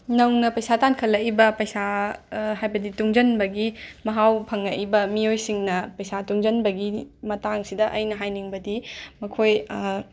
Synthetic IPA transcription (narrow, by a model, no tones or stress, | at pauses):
nɐwnɐpɐjsatankʰɐlːɐʔibɐpɐjsa | hajbɐdituŋd͡ʒɐnbɐɡimɐɦawpʰɐŋːɐʔibɐmiojsiŋnɐpɐjsatuŋd͡ʒɐnbɐɡimɐtaŋsidɐʔɐjnɐɦajniŋbɐdimɐkʰoj